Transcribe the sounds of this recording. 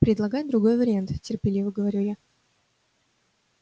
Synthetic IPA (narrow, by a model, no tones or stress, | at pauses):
pɾʲɪd̪lˠɐɡajɪt̪̚d̪ɾʊɡo̞jvəɾʲɪant̪tʲɪrpʲɪlʲivəɡəvɐɾʲuja